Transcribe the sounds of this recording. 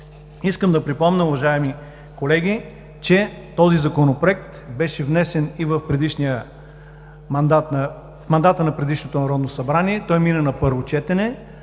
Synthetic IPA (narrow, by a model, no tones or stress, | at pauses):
iskəmd̪ɐpɾipɔmnəʊvɐʒaɛmi | kolɛɡʲi | t͡ʃɛ | t̪ɔzizɐkonopɾoɛk̚t̪bɛʃɛvnɛsɛnivəfpɾɛd̪iʃniə | mɐnd̪at̪n | fmɐnd̪at̪ənɐpɾɛd̪iʃnot̪onɐɾɔd̪nosɐbɾaniɛt̪ɔjminənɐpɤɾvot͡ʃɛt̪ɛnɛ